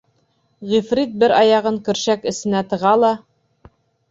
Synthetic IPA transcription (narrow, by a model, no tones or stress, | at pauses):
ʁifrit̪̚bɘɾɑjɑʁɤŋkɵ̆ɾɕækɘ̆sɘ̆næt̪ɤ̆ʁɑlˠɑ